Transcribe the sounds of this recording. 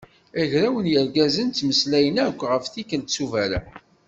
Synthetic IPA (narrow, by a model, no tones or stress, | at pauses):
æʝɾæwənjəɾɡæzənt͡s̪ːməslæjənækʷːʁəfθikənt̪t͡sːuvæɾæ̰